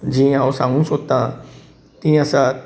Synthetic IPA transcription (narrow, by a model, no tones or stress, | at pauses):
d͡ʒĩãosãŋũsot̪ã | t̪ĩjãsa